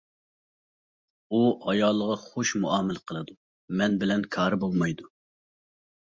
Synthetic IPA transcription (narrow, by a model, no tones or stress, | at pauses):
uɑjɑːlˠːəʁɑχoʃmuɑːmɪlqʰəlˠɨd̪u | mɛnbɪlɛnkʰɑːɾɨbolˠmɑjd̪u